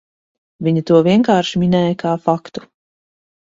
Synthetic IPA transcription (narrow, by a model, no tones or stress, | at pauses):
vʲiɲit̪uɔviɛŋkaːɾʃimʲinɛːjkʰaːfakt̪u̥